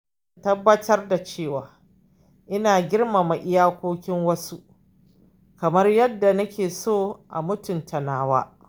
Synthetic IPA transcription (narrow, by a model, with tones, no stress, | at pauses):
tɐ˦bːɐ˦tɐ˦rda˨t͡ʃeː˦˨waː˨ | ʔɪ˦naː˨ɡʲɪ˦rma˨ma˨ʔɪ˦jaː˦kʷoː˦kʲɪ˦ŋwɐ˦su˦ʔ | kɐ˨mɐ˦rjɐ˦dːa˨nɐ˦kʲʰeː˨soː˦ʔa̰˨mʊ˦tʊ˨ntʰɐ˨naː˦wa̰ː˦